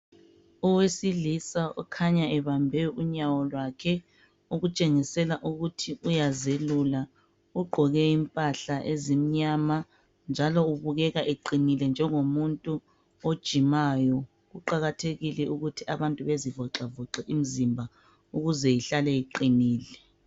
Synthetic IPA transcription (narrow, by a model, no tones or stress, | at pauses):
uwesiɮisaṵkʰaɲaɛβambʱɛuɲawɔlwakʰɛ | uɣut͡ʃʼeŋisɛlaʔuɣutʰiujazelula | uɡ͡ǃʱɔɣɛimpʼaɬaʔezim̩ɲaːma | nd͡ʒʱalɔuβuɣɛɣaʔeǃinilɛnd͡ʒʱɛŋomuntʼu | od̥ʒ̥ʱimajɔ | ɣuǃaɣatʰeɣilɛuɣutʰiaβantʼuβezivɔǁavɔǁɛʔim̩zimbʱa | uɣuzɛiɬalɛiǃiniːlɛ